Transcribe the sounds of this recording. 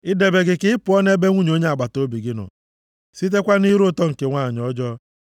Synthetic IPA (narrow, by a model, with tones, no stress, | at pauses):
ɪ˦de˨be˨ɡɪ˨kɪ˦ɪ˦pʊ˨ɔ˦n˦e˦be˦ŋʷu˦ɲo˦ɲe˦a˨ɡ͡ba˨to˦bi˨ɡɪ˦nɔ̰˨ | si˦t̬e˦kʷa˦ni˦ɾʊ˦tɔ˦ŋ̩˨ke˨ŋʷaː˦˨ɲɔ˦d͡ʒɔ˦